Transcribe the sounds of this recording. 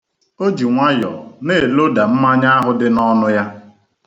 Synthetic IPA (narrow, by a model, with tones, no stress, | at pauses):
o˦d͡ʒi˨ŋʷa˦jɔ̰˨ne˦˨e˨lo˦da˨m̩˦ma˦ɲa˦a˦ɦʊ˦dɪ˦nɔ˦nʊ˦ja˦